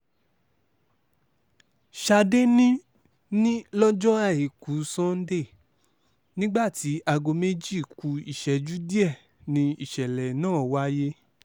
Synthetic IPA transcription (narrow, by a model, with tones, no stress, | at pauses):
ʃa˧de˦nĩ˦ | nĩ˦lɔ˦d͡ʒɔ˦a˦˨i˨ku˨˦sɔ̃˦n̩˦de˦˨ | nĩ˦ɡ͡ba˦˨ti˨˦a˧ɡo˧me˦d͡ʒi˦˨ku˧˦i˨ʃɛ˨˦d͡ʒu˦di˦ɛ˦˨ | nĩ˧i˦˨ʃɛ˨lɛ˨nãː˦˨wa˦je˦